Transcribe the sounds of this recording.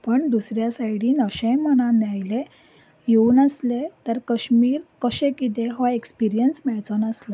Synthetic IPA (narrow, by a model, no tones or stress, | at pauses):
pəɳd̪usɾjasajɽiːnəɕẽjmənanjajle | jeuːnəslet̪əɾkəɕmiːɾkəɕẽkit̪̬eɦɔekspiɾijənsmɛɭt͡sənəsla